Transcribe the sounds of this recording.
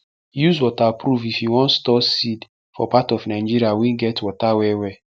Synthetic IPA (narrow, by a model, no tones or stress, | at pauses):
juzwɔtapɾuvifjuwɔ̃ntstɔsid | fɔ̰patɔvnaɪ̃d͡ʒiɾiawiɡɛtwɔtawɛwɛ